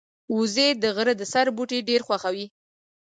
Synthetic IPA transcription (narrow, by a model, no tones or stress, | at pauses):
uzed̪əɣəɾəd̪əsaɾbuʈeɖeɾxwaxawi